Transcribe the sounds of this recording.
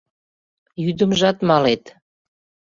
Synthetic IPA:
jyd̪əmʒɑt̪mɑlet̪

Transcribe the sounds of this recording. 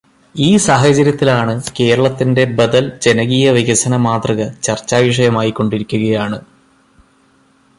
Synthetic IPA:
iːsaːɦɐt͡ɕɐɾjɐt̪ːilaːɳɨke̞ːɾɐɭɐt̪ːinde̞bɐd̪ɐld͡ʑe̞nɐɣiːjɐʋiɣɐsɐnɐmaːt̪rɐɣɐt͡ɕɐrt͡ɕːaːʋiʂ̬ɐjɐmaːjikːo̞ɳɖiɾikʲːuɣɐjaːɳɨ

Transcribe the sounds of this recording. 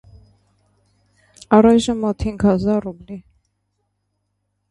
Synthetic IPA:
ɑɾɑjʒəmɔt̪ʰiŋkʰɑzɑɾubli

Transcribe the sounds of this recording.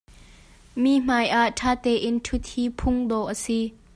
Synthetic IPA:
miːm̥aːjʔaʔtʰaːt̪ɛːʔɪntʰʊt̪̚hiːpʰʊŋd̪ɔːʔəsi

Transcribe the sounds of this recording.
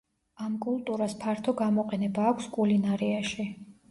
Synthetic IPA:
amkʼulˠt̪ʼuɾaspʰaɾt̪ʰɔɡamɔqʼɛnɛbaːkʷʰskʼulinaɾiaʃi

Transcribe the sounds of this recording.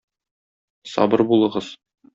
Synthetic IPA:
sɒ̰bɤɾbulˠɤ̆ʁɤz̥

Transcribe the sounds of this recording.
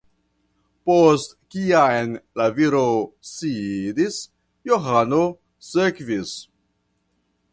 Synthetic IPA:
post | kiaenlaviɾosidis | joɦano | sekvis

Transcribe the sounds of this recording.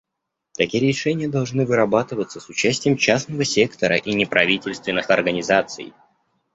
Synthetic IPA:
t̪ɐkʲijɾʲɪʂɛnʲɪjəd̪ɐlˠʐnɨvɨɾɐbat̪ɨvət̪səsʊt͡ɕæsʲtʲɪjəmt͡ɕasnəvəsʲe̞kt̪əɾə̰ʔinʲɪpɾɐvʲitʲɪlʲst̪vʲɪnːɨxɐrɡənʲɪzat̪sɨ̰j

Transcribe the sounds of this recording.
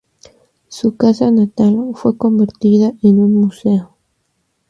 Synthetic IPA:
sukasanat̪alfwe̞ko̞mbeɾt̪iðaenunmuse̞o

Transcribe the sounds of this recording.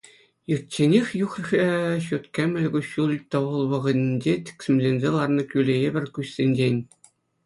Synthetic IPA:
jɯrt͡ɕːenʲexʲjuχrʲxʲeɕut̪kʲemʲɘ̆lʲɡuɕːulʲt̪ɤ̆ʋɤ̆lˠʋɤ̆ʁɤ̆d̪ʲnʲd͡ʑetʲi̥kʲsʲɘ̆mʲzʲenʲzʲelˠɑrnɤ̆kʲylʲejebʲɘ̆rʲkʲuɕsʲenʲd͡ʑenʲ

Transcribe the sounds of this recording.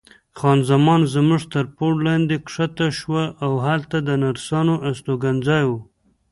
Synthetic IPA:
xɑnzamɑnzmuʐt̪əɾpoɽlɑnd̪ekʂat̪aʃwaʔawhalt̪ad̪ənaɾsɑnoʔast̪oɡanzɑjwu

